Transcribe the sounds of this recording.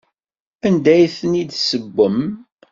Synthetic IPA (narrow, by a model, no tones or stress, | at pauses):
ænd̪æjθənid̪səbːəm